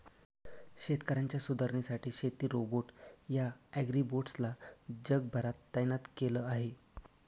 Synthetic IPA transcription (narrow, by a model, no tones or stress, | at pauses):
ɕet̪kəɾaɲt͡ɕjasud̪əɾɳisaʈʰiːɕet̪iːɾoboʈjaæɡɾiboʈslad͡ʑəɡ̚bʱəɾat̪ːanat̪keləaɦe